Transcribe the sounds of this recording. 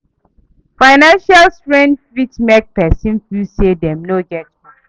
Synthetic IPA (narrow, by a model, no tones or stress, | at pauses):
faɪnãnʃalstɹɛ̃ndfɹitmɛk̚pɛsĩnfisedɛ̃mnoɡɛt̚i